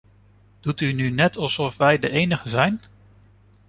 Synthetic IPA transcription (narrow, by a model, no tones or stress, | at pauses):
d̥utynynɛtɑlˠsɔfʋɛjdəʔejnəχəzɛjn